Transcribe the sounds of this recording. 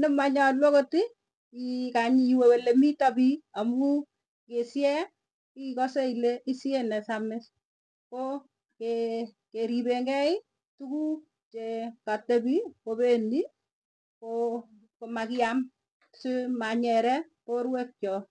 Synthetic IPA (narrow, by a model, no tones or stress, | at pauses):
nɛmaɲɔlwɔkoti | ikaɲiiwewelemitapiamu | kesjɛ | ikɔsɛileʔisjenɛsamɪs | ko | ke | keɾibeŋɡɛɪ | tuku | t͡ʃekatebikopeni | ko | komakɪam | sɪmaɲɛɾɛ | koɾwɛk̚t͡ʃɔ